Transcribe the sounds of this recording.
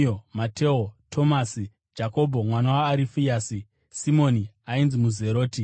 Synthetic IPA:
omatʰe̞otʰo̞maːsi | d͡ʒako̞bʱo̞mwanawaːɾifijaːsi | simo̞ːni | ainzimuze̞ɾo̞ːti

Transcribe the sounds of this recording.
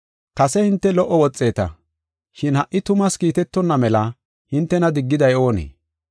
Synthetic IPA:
kɐsɛhɪnt̪ːɛlɔʔːɔwɔt͡sʼːe̞ːt̪ɐ̰ | ʃɪnhɐʔːɪt̪ʊmɐskiːt̪ɛt̪ːɔnːɐmɛlɐ | hɪnt̪ːɛnɐd̪ɪɡːɪd̪ɐjo̞ːnḛː

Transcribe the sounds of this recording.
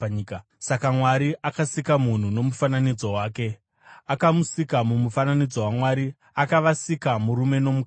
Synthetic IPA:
k | sakamwaɾiʔakasikamun̤uno̞mufananid͡zo̞waːke̞ | akamusikamumufananid͡zo̞wamwaɾi | akaʋasikamuɾume̞no̞muk

